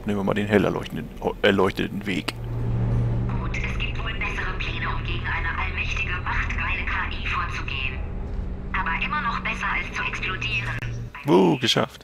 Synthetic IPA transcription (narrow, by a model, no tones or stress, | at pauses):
pnɪːmvɐma̰ːldeːnɦɛlɛ̰ | ɛɐlɔʏçtətn̩vḛːk | ɡ̥uːtʰʔɛsɡ̥iːp̚tv̥oːɪnbɛsəʁəpʰl̥eːnoʊmɡeːɡŋ̩ʔaɪnɐʔalmɛçtɪɡəmaχtkaɪnəkʰaːʔiːfoːɐt͡suɡeːən | ʔaːbɐʔɪmɐnɔχb̥ɛsɐʔalst͡suʔɛksplodiːʁən | voːɡəʃa̰ft